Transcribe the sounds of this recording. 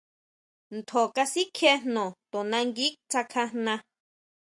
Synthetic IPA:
nt̪ʰo˨ka˧si˦kʰe˧nnõ˨t̪õ˨nã˧ŋɡi˦k̚t͡sa˧kʰã˧hnã˧

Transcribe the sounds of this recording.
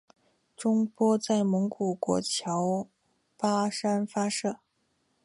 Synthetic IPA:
ʈ͡ʂʊ˥ŋpwɔ˥t͡sa˥˩ɪmɤ˧˥ŋku˨˩kwɔ̰˧˥t͡ɕʰjɑ˧˥ʊ | pa˥ʂa˥nfa˥ʂɤ˥˩

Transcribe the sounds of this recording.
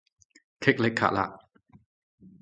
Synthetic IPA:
kʰe˦˥k̚le˦˥kʰːa̰˧˩la̰˧ʔ

